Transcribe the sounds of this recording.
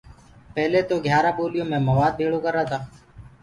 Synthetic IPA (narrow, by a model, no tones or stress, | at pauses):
pɛɦleːt̪oːɡʱjaːɾaːɓoːlɪjõːmẽːməʋaːd̪̚bʱeːɽoːkəɾaːt̪ʰaː